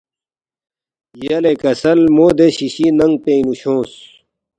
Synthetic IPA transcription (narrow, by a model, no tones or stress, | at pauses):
jɐlekɐsɐlmoːd̪eɕiɕinɐŋɡ̚p̪ẽinuɕõːs